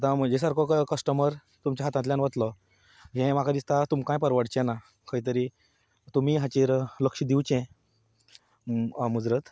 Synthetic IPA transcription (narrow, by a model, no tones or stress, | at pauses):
at̪ãməd͡ʑesaɾkʰɔkkəsʈəməɾ | t̪umt͡ɕaɦat̪ãt̪ljãnʋət̪lɔ | ɦɛ̃makʰad̪ist̪at̪umkãjpəɾʋəɽt͡ɕɛna | kəɦit̪əɾi | t̪um̤iːɦat͡ɕeɾləkʂid̪iwt͡ɕɛ̃ | mud͡zɾət̪